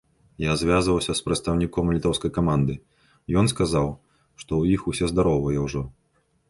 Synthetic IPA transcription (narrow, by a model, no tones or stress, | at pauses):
jazʲvʲazvɐwsʲɐspɾɐt̪st̪ɐwnʲikɔmlʲit̪ɔwskɐjkamand̪ɨ | jɔnskazaw | ʂt̪ɔwjixusʲɛzd̪aɾɔwvɐjɛwʐɔ